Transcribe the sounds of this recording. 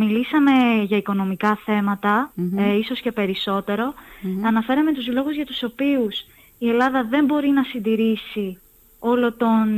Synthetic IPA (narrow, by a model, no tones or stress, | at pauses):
milisɐme̞ʝɐiko̞no̞mikɐθe̞mɐt̪ɐiso̞sce̞pe̞ɾiso̞t̪e̞ɾo̞ɐnɐfe̞ɾɐme̞t̪uzlo̞ɣuzʝɐt̪u̥so̞pius | ie̞lɐðɐðe̞mbo̞ɾinɐsind̪iɾisi | o̞lo̞t̪o̞n